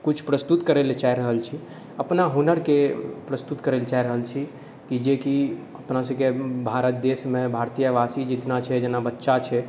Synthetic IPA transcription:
kut͡ʃʰpɾəst̪ut̪kəɾelet͡ʃaiɾəɦəlt͡ʃʰi | əpnaɦonəɾkepɾəst̪ut̪kəɾelt͡ʃaiɾəɦəlt͡ʃʰi | kid͡ʒeki | əpnasəkebʱaɾət̪̚d̪esmẽbʱaɾt̪ijəʋasid͡ʒit̪nat͡ʃʰɛd͡ʒenabətːʃat͡ʃʰɛ

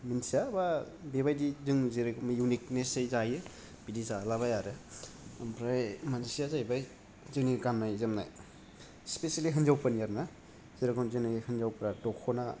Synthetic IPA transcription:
minsijaba | beβajdizɯŋziɾɯkʰɔmajunik̚nesejzajɯ | b̥idizalaβajaɾɯ | mpɾajmanzisijazajbaj | zɯnikamnajzɯmna̰j | spesaliɦɯnzawpʰanijaɾna | ziɾɯkɔnzɯnihɯnzawpɾatɔkʰɔna

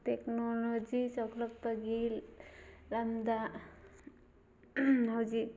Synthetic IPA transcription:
t̪eknolod͡ʒisɔklɔk̚pəɡil | ɾamd̪a | nawd͡ʒi

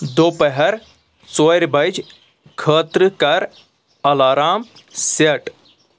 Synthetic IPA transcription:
d̪oːpəɦɐɾ | t͡soɾʲbɐjd͡ʒ | kʰəːt̪ɾɨkɐɾ | ɐlaːɾaːm | seʈ

